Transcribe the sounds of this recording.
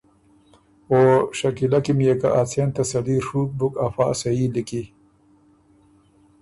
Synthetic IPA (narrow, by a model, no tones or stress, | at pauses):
oːɕɐkilɐkimjeka̰ʔat͡sʰent̪ɐsɐliːɾʂuːk̚bukɐfaːsɐiːliki